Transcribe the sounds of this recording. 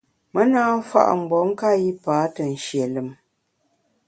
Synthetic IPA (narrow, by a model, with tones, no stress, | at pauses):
mə˦naː˦fa̰˦ʔŋ͡m̩˨ɡ͡bɔ˨˦ŋ̩˦ka˦ji˦paː˨˦tə˨n̩˨ʃje˨lɨ˨m